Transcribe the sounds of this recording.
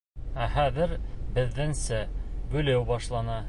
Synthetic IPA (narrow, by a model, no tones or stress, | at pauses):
æχæðɘɾbɘ̆ðːɘ̆nsæbʉ̆læwbɑʃlˠɑnɑ